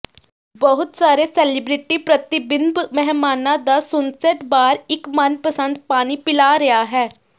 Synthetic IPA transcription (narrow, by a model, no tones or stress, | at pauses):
bəɦʊt̪saːɾeːsɛːlɪbɾɪʈiːpɾət̪ɪbɪnbmɛɦmaːnãːd̪aːsʊnsɛʈbaːɾɪkmənpəsə̃nd̪̚paːniːpɪlaːɾɪaːɦɛː